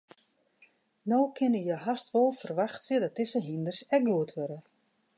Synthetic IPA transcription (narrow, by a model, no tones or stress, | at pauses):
nowkʰɪnəjəɦastʋolˠfərʋaxtsədɔt̚dɪsəɦindərsɛk̚ɡuətʰʋøɾə